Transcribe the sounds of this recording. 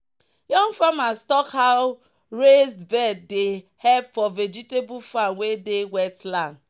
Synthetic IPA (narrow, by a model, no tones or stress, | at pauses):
jɔ̃ŋfamastɔkhaʊ | ɹesdbɛd̚de | hɛpfɔvɛd͡ʒitebufãnwedewɛtlãn